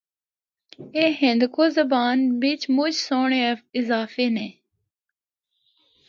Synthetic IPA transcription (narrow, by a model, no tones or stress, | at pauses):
eːɦɪ̃nd̪kʰoːzəbaːnbɪt͡ʃmʊt͡ʃsoːɳeːɪzaːfeːneː